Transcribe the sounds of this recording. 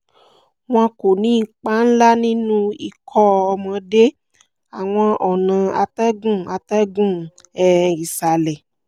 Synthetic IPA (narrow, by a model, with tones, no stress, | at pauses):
w̃ɔ̃˧ko˨nĩ˨˦˧k͡pa˦n̩˦la˦nĩ˦nũ˦i˧kʰɔ˦ɔ˧mɔ̃˧de˦ | a˨w̃ɔ̃˧ʔɔ˨nã˨˦a˧tɛ˦ɡũ˦˨a˧tɛ˦ɡũ˦˨ | ɛ˦˨i˨sa˨lɛ˨